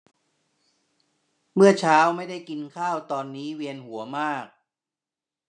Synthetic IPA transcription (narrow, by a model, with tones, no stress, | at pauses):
mɯ˥˩ət͡ɕʰaː˦˥wma˥˩jda˥˩jki˧nkʰaː˥˩wt̪ɔː˧nːiː˦˥wi˧ənhu˩˦əɐmaː˥˩k̚